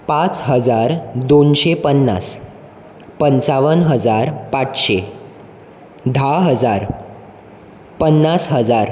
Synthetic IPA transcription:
pat͡sɦəd͡zaɾd̪onɕepənːa̰s | pənt͡saʋənɦəd͡zaɾpat͡sɕe | d̪ʱaɦəd͡zaɾ | pənːasɦəd͡zaɾ

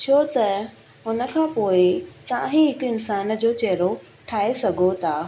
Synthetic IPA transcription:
t͡ɕʰoːt̪ɐ | ɦʊnə̆kʰãːpoːɪt̪ɐãɦĩɦɪkɪnsaːnd͡ʑoːt͡ɕɐɦɪɾo | ʈʰaːesɐɡʱot̪ʰaː

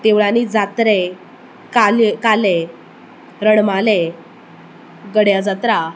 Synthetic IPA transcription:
t̪eʋɭanid͡zat̪ɾɛ | kalkalɛ | ɾəɽmalɛ | ɡəɽjad͡zat̪ɾa

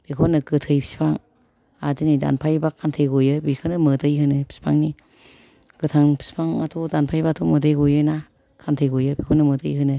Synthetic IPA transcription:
b̥ikʰɔnɯɡɯtʰɯjpʰi̥si̥pʰaŋ | azinida̰npʰajbakʰantʰejɡojɯbikʰɯnɯmɯdɯjhɯnɯpʰi̥si̥pʰa̰ŋni | ɡ̥ɯtʰaŋpʰi̥spʰaŋatʰodanpʰajbatʰomɯdʰɯjɡojɯna | kʰantʰɯjɡojɯbikʰɔnɯmədɯjɦɯnɯ

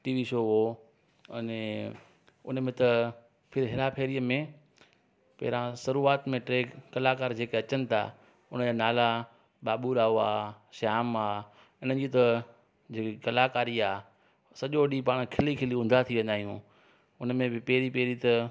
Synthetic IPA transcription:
ʈiːʋiʃoːɦo | nẽ | ʊ̰nmẽt̪ɐ | pʰɪɾɦɪɾapʰeːɾiːəmẽ | pɐ̰ɦɪɾãsɐɾuːaːt̪mẽʈɾeːkːɐlaːkaːɾd͡ʑeːkeɐt͡ɕənɪ̆t̪ʰa̰ː | ʊn̤əd͡ʑaːnaːla | ɓaːɓuɾaːoaːʃaːmaː | ɪnəd͡ʑit̪ɐ | d͡ʑeːkikɐlaːkaːɾiaː | sɐʄoɗipaːɽ̃kʰɪlikʰɪliʊ̃n̆d̪ʱat̪ʰiʋẽnd̪aːɦijṵ̃ | ʊnəmẽbɪpɛɦɪɾipeːɾit̪ɐ

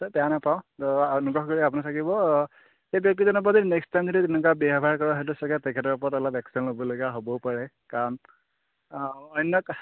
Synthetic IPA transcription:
sɔpɛanapaʊ̃tɔnuɡɔxkoɹiapʊnatʰakibɔ | xebjɔk̚tizɔnɔp̬ɔtinɛkstʰajmzɔditɛlʊkabjɔɦbʱaɹkɔɹaɦɔjtusɔɡatɛkʰɛtɔɹɔpɔɹɔtɔlɔbɛksinlobɔloɡaɦobɔpaɹɛ | kaɹɔn | ɔjnːɔk

